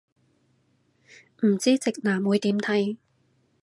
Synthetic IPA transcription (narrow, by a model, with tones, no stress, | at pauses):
m̩˨˩t͡siː˥t͡sɪ˨k̚naː˨˩muː˨˥jt̪iː˨˥mt̪ʰɐ˨˥j